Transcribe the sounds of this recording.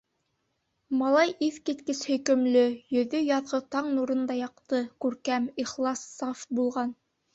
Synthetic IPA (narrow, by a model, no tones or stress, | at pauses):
mɑlˠɑjʔiθkit̪kɘshɵ̆jkɵ̆mlɵjɵ̆ðɵjɑðʁɤt̪ɑɴnuɾɤ̆nd̪ɑjɑqt̪ɤkʉɾkæmiχlˠɑsːɑfbulˠʁɑn